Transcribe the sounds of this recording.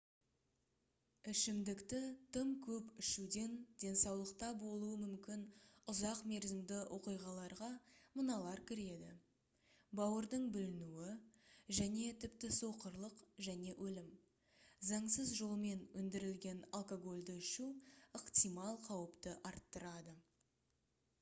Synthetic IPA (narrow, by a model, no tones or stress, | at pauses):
ɪʃɪmd̪ɪkt̪ɪt̪ʰəmkʲʰɵpɪʃud̪e̞nd̪̥ʲe̞nsɑwlˠəqt̪ɑbo̞lˠuəmʏmkʲɪnʊzɑqme̞ɾzɪmd̪ɪwʔo̞qijʁɑlˠɑɾʁɑmənɑlˠɑɾkʲʰɪɾe̞d̪ɪ̰ | bɑwəɾd̪əɴbʏlɪnuwɪʒæne̞t̪ʰɪpt̪ɪso̞qəɾlˠəqʒæne̞ʔɵlɪm | zɑɴsəzʒo̞lˠme̞nɵnd̪ɪɾɪlɡʲe̞nalˠkoɡo̞lʲd̪ɪɪʃuəqt̪ijmɑlˠqʰɑwəpt̪əʔɑɾt̪ːəɾɑd̪ə